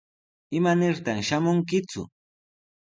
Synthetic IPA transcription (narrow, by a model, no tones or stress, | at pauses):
ɪmanɪɾt̪aŋʃamʊŋk̬ɪt͡sʊ̰